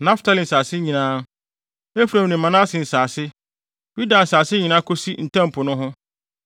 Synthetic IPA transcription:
nã˦ftʰa˦lɪ˨n̩˨saː˨sɪ˦ɲĩ˨nãː˦ | e˦fu˨ɾã˨m˨nĩ˨m˨mã˨nã˦a˦sɪ̃˨n̩˨saː˨sɪ˦ | ju˦da˨n̩˨saː˨sɪ˦ɲi˨nãː˦kʰo˦si˦n̩˨tʰã˦m̩˨pʰʊ˨nʊ̃˦ɦʊ̃˦

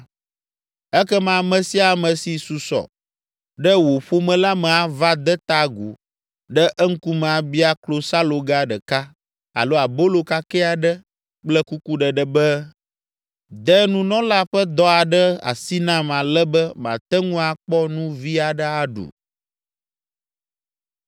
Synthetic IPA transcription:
ɛ˦kɛ˦mã˨mɛ̃˨si˦a˨mə̃˨si˨su˨sɔ̰˨ | ɖɛ˦wo˨ɸo˦mɛ̃˨la˦mɛ̃˨a˨va˦d̪ɛ˦t̪a˦ɡṵ˨ | ɖɛ˦ʔɛ˦ŋ̩˦ku˦mɛ̃˨a˨bi˦a˦klo˦sa˦lo˨ɡa˦ɖɛ˨ka˦ | a̰˨lo˦a˨bo˦lo˨ka˦kɛ˦a˨ɖə˦ | k͡plɛ˦ku˦ku˦ɖə˨ɖə˨bɛ˦ | d̪ɛ˦nũ˦nɔ̃˦la˦ɸə˦d̪ɔ˦a˨ɖə˦a̰˨si˦nã˦mã˨lɛ˦bɛ˦mã̰˨t̪ɛ˦ŋũ˦a˨k͡pɔ˦nũ˦vi˦a˨ɖə˦a˨ɖṵ˨

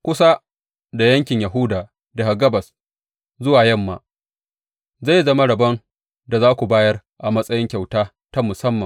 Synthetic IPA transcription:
kʷʊ˦sa˦ | da˨jɐ˦ŋkʲɪ˨ɲja˨ɦʊ˦daː˨ | da˨ha˨ɡɐ˦bɐ˨s | zʊ˦waː˨jɐ˦mːa̰ː˨ | za˦˨jzɐ˦ma˦ɽɐ˨bɐ˦n | da˨zaː˦kʷu˨baː˦jɐ˦rʔa˨mɐ˦sʼɐ˦jɪ˦ŋkʲa˨wtaː˦ | ta˦mʊ˨sɐ˦mːɐ˨

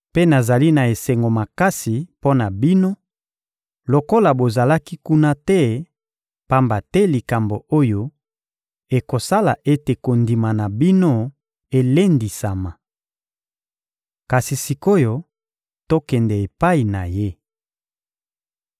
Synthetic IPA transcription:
pe˦na˨za˨li˦na˨e˨sɛ˨ŋɡo˨ma˨ka˦si˨po˦na˨bi˦no˦ | lo˨ko˦la˨bo˨za˨la˦ki˦ku˦na˦tɛ˦ | pa˦mba˨tɛ˦li˨ka˨mbo˨ʔo˦jo˦ | e˨ko˨sa˦la˨ʔe˦te˨ko˨ndi˨ma˨na˨bi˦no˦ | e˨le˦ndi˨sa˨ma˨ | ka˨si˨si˨ko˦jo˦ | to˦kɛ˨ndɛ˨e˨pa˦i˨na˨je˦

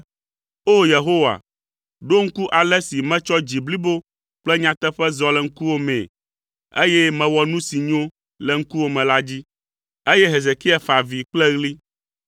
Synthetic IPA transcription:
o˦je˨ɦo˦wa̰˨ | ɖo˦ŋ̩˦ku˦ʔa˨lɛ˦si˨mɛ̃˦t͡ʃɔ˦d͡ʑi˨bli˦bo˦ | k͡plɛ˦ɲã˨t̪ɛ˦ɸɛ˦zɔ˦lɛ˨ŋ̩˦ku˦wo˦mɛ̰̃˨ | e˦jɛ˦mɛ̃˨wɔ˨nũ˦si˨ɲõ˦ | lɛ˨ŋ̩˦ku˦wo˦mɛ̃˨la˦d͡ʑi˦ | e˦jɛ˦ɦe˨ze˨ki˦a˨fa˨vi˨k͡plɛ˦ɣli˦

